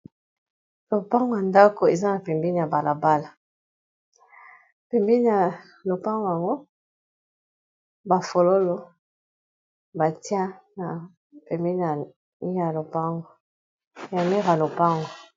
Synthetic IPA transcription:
lo˨pa˦ŋɡo˨ja˨nda˦ko˨e˨za˦na˨pɛ˨mbi˦ni˨ja˨ba˨la˨ba˦la˨ | pɛ˨mbi˦ni˦˨ja˨ | lo˨pa˦ŋɡo˨a˨ŋɡo˦ | ba˨fo˨lo˦lo˨ | ba˨ti˦ã˦na˨ | pɛ˨mbe˦ni˨a˨ | ni˦ja˨lo˨pa˦ŋɡo˨ | ja˨mi˦ʁa˨lo˨pa˦ŋɡo˨

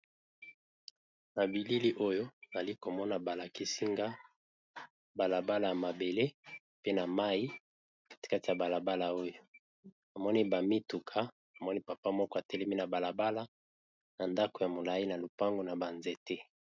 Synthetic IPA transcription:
na˨bi˨li˦li˦ʔo˦jo˦˨a˨li˦ko˨mɔ˦na˨ba˨la˨ki˦si˦ŋɡa˦ | ba˨la˨ba˦la˨ja˨ma˨be˨le˦ | pe˦na˨ma˦i˦ | ka˦ti̥˨ka˦ti˨a˨ba˨la˨ba˦la˨o˦jo˦ | a˨mɔ˦ni˦ba˨mi˦tu˨kʰa˦ | a˨mɔ˦ni˦pa˨pa˦mɔ˦kɔ˦a˨tɛ˦lɛ˦mi˦na˨ba˨la˨ba˦la˦ | na˨nda˦ko˨ja˨mo˨la˨i˦na˨lo˨pa˦ŋɡo˨na˨ba˨nze˨te˦

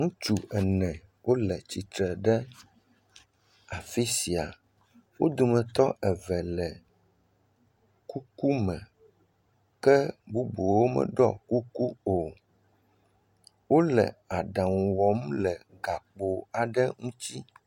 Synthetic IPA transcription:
ŋũ˦t͡ʃu˨ɛ˨nɛ̃˨ | wʔo˦lɛ˨t͡ɕi˨t̪ɾɛ˨ɖɛ˦ | a˨fi˦si˨a̰˨ | wo˦d̪o˨mɛ̃˨t̪ɔ˦ʔɛ˨vɛ˨lɛ˨ | ku˦ku˦mɛ̃˨ | kɛ˦bu˦bo˨wo˦mɛ̰˨ɖɔ̰˦ku˦ku˦o˨ | wo˦lɛ̰˨a˨ɖã˨ŋu˨wɔ˨mlɛ˨ | ɡa˨k͡po˨a˨ɖɛ˦ŋũ˦t͡ɕi˦

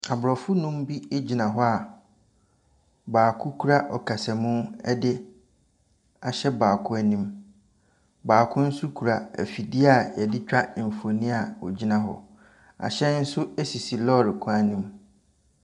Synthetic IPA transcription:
a˨bɾɔ˨fʊ˦nʊ̃˦mbi˦e˦d͡ʑi˨nã˨ɦɔ˦a˨ | baː˨kʰʊ˦kʰu˦ɾa˦ʔɔ˨kʰa˨sɛ˨mʊ̃˦ɛ̰˦dɪ˦ | a˨ɕɛ˦baː˨kʰʊ˦æ˦nĩ˦m | baː˨kʰʊ̃˦n̩˦su˦kʰu˨ɾa˨æ̰˨fi˨dɪ˦a˦˨jɛ˨dɪ˦t͡ɕᶣa˦ʔɪ˨m̩˨fo˨nĩ˦a˨wɔ̰˨d͡ʑi˦nã˨ɦɔ̰˨ | a̰˨ɕɛ˦n̩˦sʊ˦æ˦si˨si˨lɔ˦˨ɾɪ˨kʰʊ˦a˦nĩ˦m

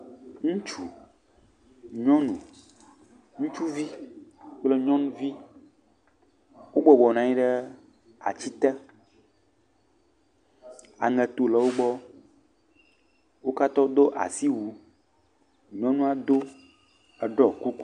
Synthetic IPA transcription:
ŋũ˦t͡ʃu˨ | ɲɔ̃˦nũ˨ | ŋũ˦t͡ʃu˦vi˦k͡plə˦ɲɔ̃˦nũ˦vi˦ | wo˦ɡ͡bɔ˨bɔ˨nã˨ɲĩ˦ɖə˦ | a̰˨t͡ɕi˦t̪ɛ˦ | a̰˨ŋɛ˨t̪o˨lə˨wo˦ɡ͡bɔ˦ | wo˦ka˦t̪ɔ˦d̪o˦ʔa̰˨si˦wu˨ | ɲɔ̃˦nũ˦a˨d̪o˦ | ə˨ɖɔ˨ku˦ku˦

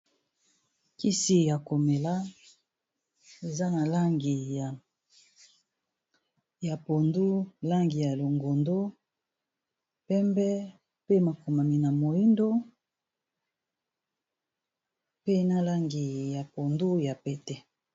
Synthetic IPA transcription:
ki˦si˦ja˨ko˨me˨la˦ | e˨za˦na˨la˦ŋɡi˨ | ja˨po˨ndu˦la˦ŋɡi˨ja˨lo˨ŋɡo˨ndo˦ | pɛ˦mbɛ˦ | pe˦ma˨ko˨ma˨mi˨na˨mo˨ji˦ndo˦ | pe˦na˨la˦ŋɡi˨ja˨po˨ndu˦ja˨pɛ˨tɛ˦

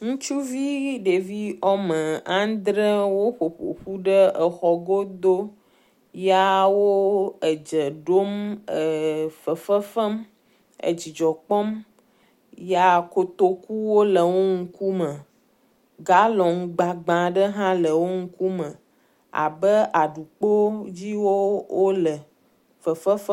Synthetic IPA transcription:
ŋũ˦t͡ʃu˦vi˦ɖe˨vi˦ɔ˦mə˨ã˦d̪ɾə˦wo˦ɸo˨ɸo̰˨ɸu˦ɖə˦ə˨xɔ˨ɡo˦d̪o˦ | ja˦wo˦ə˨d͡ʒə˨ɖo˦mə˨fə˨fə˦fə˦m | ə̰˨d͡ʑi˨d͡ʒɔ˨k͡pɔ˦m | ja˦ko˨t̪o˦ku˦wo˦lə˨wo˦ŋ̩˦ku˦mə̃˨ | ɡa˦lɔ˨ŋũ˦ɡ͡ba˨ɡ͡bã˨ɖə˦ɦã˦lə˨wo˦ŋ̩˦ku˦mə̃˨ | a̰˨bə˦ʔa˨ɖu˨k͡po˦d͡ʑi˦wo˦wo˦lə˨ | fə˨fə˦fə˦

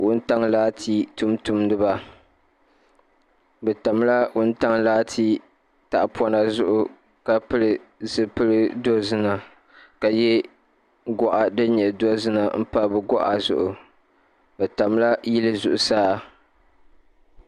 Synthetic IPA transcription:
wʊ˦n˦ta˦ŋlaː˦tʰi˦tu˦mtu˦mdɨ˦ba˨ | bɛ˨ta˨m˦la˦wʊ˦n˦ta˦ŋlaː˦tʰi˦ | ta˨ʔpwɔ˦na˨zʊ˦ʔʊ˨ | ka˨pɨ˦lɨ˨zɨ˦pɨ˦lɨ˦do˦zɨ˦na˨ | ka˨jɛ˦ | ɡɔ˦ʔa˨dɨ˦ɲɛ˨do˦zɨ˦na˨m̩˦pa˦bɨ˨ɡɔ˦ʔa˨zʊ̰˨ʔʊ˨ | bɛ˨ta˨mla˦ji˦lɨ˦zʊ˨ʔʊ˨saː˦˨

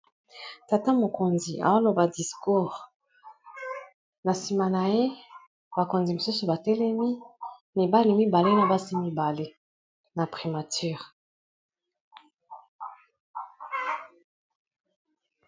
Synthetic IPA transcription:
ta˨ta˦mo˨ko˨nzi˨a̰˨wa˦lo˨ba˨di˨sku˦˨ʁ | na˨si˨ma˨na˨je˦ | ba˨ko˨nzi˨mo˨su˦so˨ba˨tɛ˦lɛ˦mi˦ni˨ba˦li˨mi˦ba˨le˦na˨ba˦si˦mi˦ba˨le˦ | na˨pχi˨ma˨ty˦˨ʁ

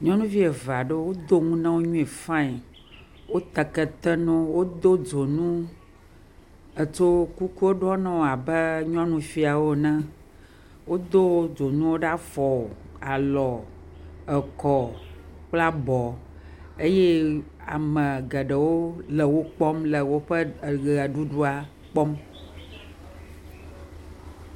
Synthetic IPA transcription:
ɲɔ̃˦nũ˦vi˦e˨va˨ɖə˦wo˦d̪o˦ŋũ˦nã˦wo˦ɲũ˦e˨fã˦i˨ | wo˦t̪ɛ˨kɛ˨t̪ɛ˦nɔ̃˦wo˦d̪o˦d͡ʒo˨nũ˦ | ə˨t͡ʃo˦ku˦ku˦wo˦ɖɔ˦nã˦wo˨a˨bə˦ɲɔ̃˦nũ˦fi˦a˨wo˦nã˦ | wo˦d̪o˦d͡ʒo˨nũ˦wo˦ɖa˦fɔ˨ | a˨lɔ˨ | ə˨kɔ˨k͡pla˦bɔ˨ | e˦je˦a˨mɛ̃˨ɡɛ˨ɖə˨wo˦lə˨wo˦k͡pɔ˦mlə˨wo˦ɸə˦˨ɡa˨ɖu˦ɖu˦a˨ | k͡pɔ˦m

